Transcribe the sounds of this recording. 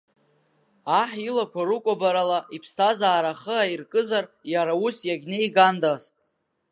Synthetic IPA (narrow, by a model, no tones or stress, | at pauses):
aħilakʷʰaɾukʷʼabaɾalaʔipʰstʰazaːɾaχəairkʼɨzarjaɾausjaɡʲne̞jɡandas